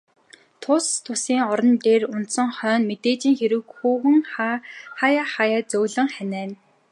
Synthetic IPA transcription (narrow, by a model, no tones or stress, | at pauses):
t̪ʰʊst̪ʰːʊsiːŋɔɾɞ̆nt̪eːrʊnt̪sə̆ŋχœːnmet̪eːt͡ɕiːŋxeɾɘ̆kxuːɣɘ̆ŋ | χajaχajaːt͡sɵwɮə̆ŋχænæːn